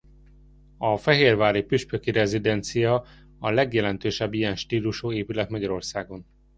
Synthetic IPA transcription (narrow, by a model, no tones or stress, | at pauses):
ɒfɛɦeːrvaːɾipyʃpøkiɾɛzid̪ɛnt̪sijɒ | ɒlɛɡjɛlɛnt̪øːʃɛbːijɛnʃt̪iːluʃoːeːpylɛt̪mɒɟɒɾo̞rsaːɡo̞n